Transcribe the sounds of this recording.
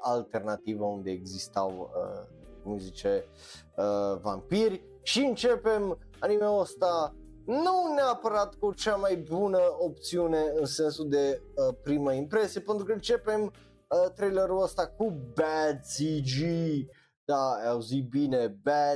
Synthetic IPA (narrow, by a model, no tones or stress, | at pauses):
ʔalt̪ernat̪ivəund̪eːɡzist̪a̰wə̰ | kumzit͡ʃe | əva̰mpirʲ | ʃiɨnt͡ʃepem | animeost̪a | nuneapəɾat̪kut͡ʃamajbunəop̚t̪siuneɨnsensuld̪e̞əpɾiməimpɾesiepent̪ɾukəɨnt͡ʃe̞pem | ət̪ɾejleɾuləst̪akubɛt̪sid͡ʒi | d̪̥aawzit̪̚binebɛ